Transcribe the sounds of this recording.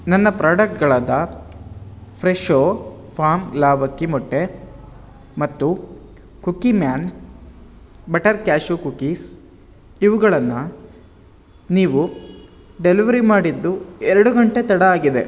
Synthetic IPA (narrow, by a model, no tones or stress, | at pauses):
nɐnːɐpɾaːɖɐk̚ʈ̚ɡɐɭaːd̪ɐ | pʰɾeʃoː | pʰaːmlaːbʱɐkːimɔʈːe | mɐt̪ːu | kukimjaːn | bɐʈɐɾkjaːʃukukis | iʋuɡɐɭɐnːu | niːʋu | ɖeliʋɐɾimaːɽid̪ːuɛɾɐɽuɡɐɳʈet̪ɐɽɐaːɡid̪e̞̰